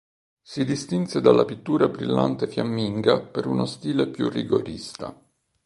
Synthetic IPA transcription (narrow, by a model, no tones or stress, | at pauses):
sid̪ist̪insed̪alːʔapit̪ːuːɾabɾilːa̰nt̪efjamːiŋɡapeɾunost̪iːlepjṵrːiɡoɾist̪a̰